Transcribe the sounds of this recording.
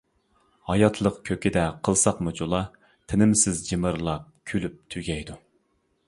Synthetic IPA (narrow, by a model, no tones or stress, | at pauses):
hɑjɑt̪ʰlˠəqkʲʰøkʲid̪ɛqʰəlˠsɑqmud͡ʒolˠɑ | t̪ʰɪnɪmsɪzd͡ʒimɨɾlˠɑp̚kʲʰylyp̚t̪ʰyɡʲɛjd̪u